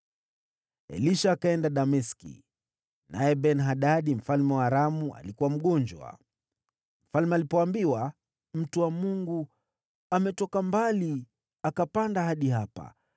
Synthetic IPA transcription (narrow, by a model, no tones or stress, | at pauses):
ɛ̰liʃaːkaɛndaɗamɛskḭ | nʔajɛɓɛnɦaɗaɗim̩falmɛwaːɾamua̰likuwam̩ɠɔnd͡ʒwa̰ | m̩falmɛalipɔambiwa | m̩tuwamuŋɡu | amɛtɔkambali | akapandahaɗihapa̰